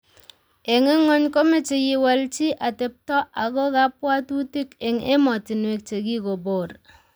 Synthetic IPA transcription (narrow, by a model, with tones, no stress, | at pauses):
e˨ŋe˦ŋo˦ɲko˦me˦t͡ʃi˨ji˨wa˦lt͡ʃi˦ʔa˨te˨p̚tɔ˦ʔa˨ko˦ka˦pwa˦tu˦ti˦ke˨ŋe˦mɔ˨ti˨nwe˨k̚t͡ʃe˨ki˦ko˨bo˨ɾ